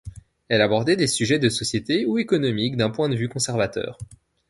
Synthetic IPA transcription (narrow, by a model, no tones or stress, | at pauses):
ɛlabɔʁd̪ɛd̪esyʒɛd̪əsɔsjet̪euekɔnɔmikd̪ɛ̃pwɛ̃d̪əvykɔ̃sɛʁvat̪œ̰ːʁ